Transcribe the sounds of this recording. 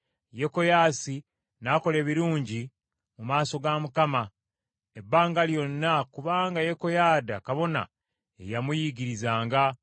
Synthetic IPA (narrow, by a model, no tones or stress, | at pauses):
je̞ko̞jaːsi | naːko̞le̞ːβiɾuːɲɟi | mumaːso̞ɡamukama | ebːaːŋɡaljo̞nːakuβaːŋɡaje̞ko̞jaːdakaβo̞na̰ | ḛjamujiɡiɾizaːŋɡa